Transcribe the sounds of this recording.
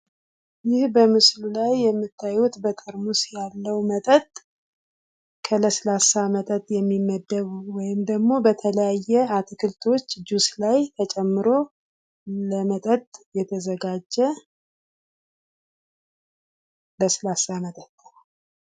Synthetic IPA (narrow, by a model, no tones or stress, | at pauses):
jɪhbəmɨslulajːɛmːɨt̪ʰːajut̪bət̪ʼəɾmusjalːəwmət̪ʼət̪ʼ | kʰələslasamət̪ʼət̪ʼjɛmːimːəd̪ːəβwɔjɪmd̪əɡmo̞bət̪ʰələjajːɛat̪ʰkʰɨlt̪ʰo̞t͡ʃːd͡ʒuslajt̪ʰət͡ʃʼɛmːɨɾo̞ | ləmət̪ʼət̪ʼjɛt̪ʰəzəɡad͡ʒːɛ | ləslasamət̪ʼət̪ʼː